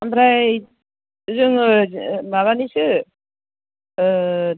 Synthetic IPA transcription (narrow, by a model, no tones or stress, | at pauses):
ambɾaj | zɯŋ | maβanisɯ